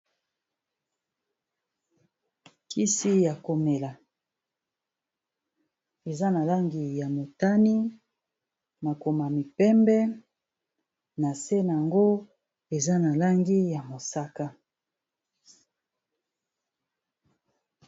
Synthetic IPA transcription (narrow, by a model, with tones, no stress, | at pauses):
ki˦si˦ja˨ko˨me˨la˨ | e˨za˦na˨la˦ŋɡi˨ja˨mo˨ta˦ni˦ | na˨ko˨ma˨mi˨pɛ˦mbɛ˦ | na˨se˦na˨a˨ŋɡo˦ | e˨za˦na˨la˦ŋɡi˦ja˨mo˨sa˦ka˦